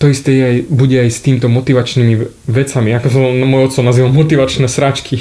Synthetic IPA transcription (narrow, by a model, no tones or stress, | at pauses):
t̪ɔist̪ɛjɛajbuɟɛajst̪iːmit̪ɔmɔt̪iʋat͡ʃnimi | ʋɛt͡samiakɔs̬amɔjɔt̪t͡ssɔnaziːʋalmɔt̪iʋat͡ʃnɛːsɾat͡ʃkʰi